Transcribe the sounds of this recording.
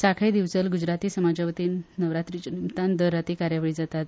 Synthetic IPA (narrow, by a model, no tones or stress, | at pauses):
sakʰid̪iʋt͡səlɡud͡ʑɾat̪iːsəmad͡ʑəʋt̪iːnːəʋɾat̪ɾit͡ɕənimt̪and̪əɾːat̪iːkaɾjaʋəɭiːd͡zat̪at̪